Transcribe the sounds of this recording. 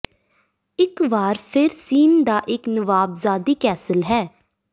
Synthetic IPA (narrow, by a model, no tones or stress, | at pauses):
ɪkʋaːɾpʰɪɾsiːnd̪aːʔɪknəʋaːbzaːd̪iːkɛːsəlɦɛː